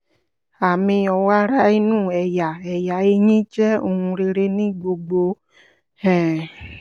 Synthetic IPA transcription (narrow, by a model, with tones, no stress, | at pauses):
a˨mĩ˧ɔ˧˨wa˦ɾa˦i˧nũ˦˨ɛ˨ja˨ɛ˨ja˨e˧˦ɲĩ˦t͡ʃɛ˦o˧˨hũ˧ɾe˧ɾe˧nĩ˦ɡ͡bo˧ɡ͡bo˧ | ɛ̃˨